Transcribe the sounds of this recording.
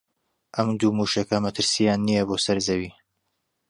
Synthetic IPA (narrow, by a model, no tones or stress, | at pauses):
ʔɐmd̪uːmuːʃɐkʰɐmɐt̪ʰɨɾsijaːnːijɐboːsɐɾzɐwiː